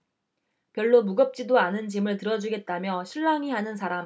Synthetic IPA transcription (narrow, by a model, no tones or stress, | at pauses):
pjʌɭːomuɡʌp̚t͡ɕ͈idoanɯnt͡ɕimɯɭtɯɾʌd͡ʑuɡe̞t̚t͈amjʌɕʰiɭːaŋiɦanɯns̬ʰaɾam